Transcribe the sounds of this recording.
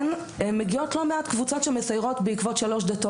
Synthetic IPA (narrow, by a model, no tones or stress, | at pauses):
n | meɡiotlo̞meatkvut͡so̞tʃemesajʁo̞tbeikvo̞tʃalo̞ʃd̪ato